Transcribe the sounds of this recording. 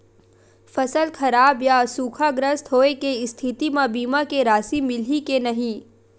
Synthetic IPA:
fɐsəlkʰɐɾaːbjasuːkʰaɡɾəst̪ɦoːekeɪst̪ʰɪt̪imãbiːmakeɾaːsimɪl̤ikenɐɦĩː

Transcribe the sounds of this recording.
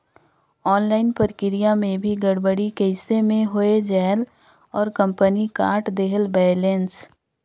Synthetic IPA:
ɔːnlaːɪnpəɾkɪɾijamẽbʱiɡəɽbəɽikəɪsemẽɦʊed͡ʒɛːl | ɔːɾkə̃mpənika̰ːɾʈd̪eɦəlbɛːlẽːns

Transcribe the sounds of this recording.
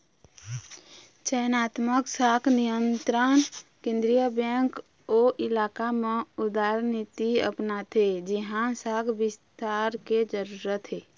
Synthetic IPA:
t͡ʃɛnaːt̪məksakʰnijənt̪ɾənkẽːnd̪ɾijəbɛ̃ŋk | oʔɪlaːkameʊd̪aɾnit̪iə̰pnat̪ʰed͡ʒiɦãsaːkʰbɪst̪aɾked͡ʒəɾuɾət̪ɦeː

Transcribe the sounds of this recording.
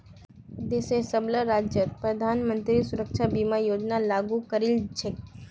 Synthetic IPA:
d̪esesəbləɾaːd͡ʒjət̪̚pɾɐd̪ʱaːnmə̃nt̪ɾisʊɾəkʃabiːmajoːd͡ʒnalaːɡukəɾɪld͡ʒʰɪk

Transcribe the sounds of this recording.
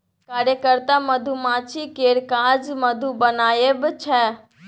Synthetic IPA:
kaːɾjəkəɾt̪amɐd̪ʱumãːt͡ʃʰikeːɾkaːd͡ʒmɐd̪ʱubɐnaːjebɪt͡ʃʰɛː

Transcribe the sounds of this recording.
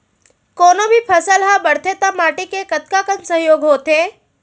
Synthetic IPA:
koːnobʱipʰɐsəlɦãbəɽt̪ʰet̪əmaːʈikekɐt̪kakənsə̃ɦjoːɡɦoːt̪eː

